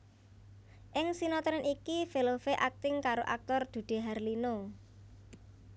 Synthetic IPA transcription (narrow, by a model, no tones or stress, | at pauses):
ʔɪŋsinɔt̪ɾɛnʔikifelofeʔak̚t̪ɪŋkaɾoʔa̰k̚t̪ɔrd̪̥ṳd̪̥e̤ɦarlino